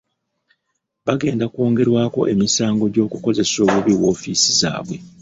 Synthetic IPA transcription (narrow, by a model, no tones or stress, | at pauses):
βaɡe̞ːndakwo̞ːŋɡe̞ɾwaːko̞̰ʔe̞misaːŋɡo̞ɟo̞ːkuko̞ze̞so̞ːβuβiwo̞ːfisiza̰ːβwe̞